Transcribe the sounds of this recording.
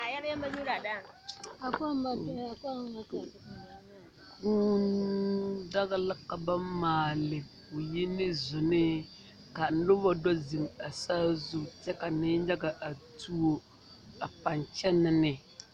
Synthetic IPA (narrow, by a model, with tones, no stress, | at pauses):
a˨ja˦ɾjɛ˦mba˦ɲu˦ɾa˨da˦ | a˨ka˦m˦ba˦˨a˨ka˦m˦a˦k | ku˦n | da˦ɣɪ˦lɪ˦ka˨ba˦maː˨lɪ˨ko˨ji˦nɪ˦zʊ˨nɪ˦ | ka˨n̩˦lʊ˦ba˦dɔ˦zɨ˨ma˨saː˦zu˦tɛ˦ka˨nɪ˦ɲa˦ɡa˨ʔa˨tu˦o˦ | a˨pa˨nt͡ʃɛ˦nɪ˦nɪ˨